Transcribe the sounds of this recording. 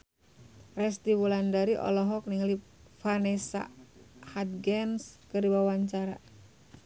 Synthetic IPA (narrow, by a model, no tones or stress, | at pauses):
rɛst̪iwulandaɾiʔɔ̰lɔɦɔk̚niŋali | fanɛsa̰hat̪̚ɡɛnskɨrdibawaɲt͡ʃaɾa̰